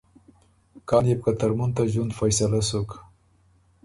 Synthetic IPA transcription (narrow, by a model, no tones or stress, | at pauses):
kɑnjep̚kat̪aɾmunt̪aʒwund̪fajsalasok